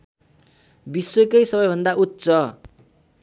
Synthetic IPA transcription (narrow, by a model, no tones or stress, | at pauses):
biswekʌjsʌbʌjbʱʌnd̪aut̪sʌ